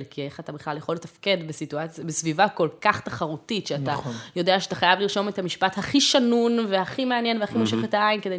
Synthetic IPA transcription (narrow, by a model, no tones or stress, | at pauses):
lkieχat̪abiχlaljeχo̞lːet̪afke̞dbesituat͡sjabesvivako̞lkaχt̪aχaʁutiʃeatajo̞deaʃeat̪aχajavliʁʃo̞methamiʃpathaχiʃanunvehaχimeanje̞nvehaχimoʃeχetaainked̪e